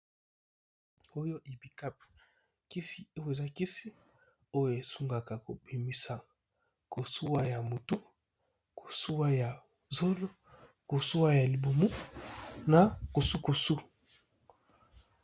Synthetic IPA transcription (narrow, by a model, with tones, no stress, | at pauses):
o˦jo˦ʔe˨bi˨ka˦p | ki˦si˦o˦jo˦˨e˨za˦ki˦si˦ | o˦jo˦˨e˨su˦ŋɡa˨ka˨ko˨bi˨mi˦sa˨ | ko˨su˦wa˦ja˨mo˨tu˦ | ko˨su˦wa˦ja˨ | zo˦lo˦ | ko˨su˦wa˦ja˨li˨bo˨mu˦ | na˨ko˨su˦ko˨su˦